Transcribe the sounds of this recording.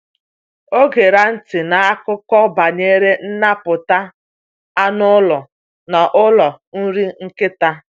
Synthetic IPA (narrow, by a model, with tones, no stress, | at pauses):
o˦ɡe˨ɾa˦n̩˦tɪ˨na˨a˦kʊ˦kɔ˦ba˨ɲe˦ɾe˦n̩˦na˦pʊ˨ta˦ | a˦nʊ˦lɔ˨ | na˨ʔʊ˦lɔ˨n̩˦ɾi˦ŋ̩˦kɪ˦ta˦